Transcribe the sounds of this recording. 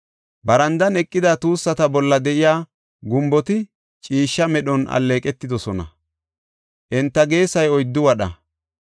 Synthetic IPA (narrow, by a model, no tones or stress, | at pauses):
bɐɾɐnd̪ɐnɛkʼːɪd̪at̪uːsːɐt̪ɐbɔlːɐd̪ɛʔɪjaː | ɡʊmbɔt̪ɪ | t͡ʃʼiːʃːɐmɛɗɔnɐ̰lːe̞ːkʼɛt̪ːɪd̪ɔsɔnɐ̰ | ʔɛnt̪ːɐɡe̞ːsɐjɔjd̪ːʊwɐɗɐ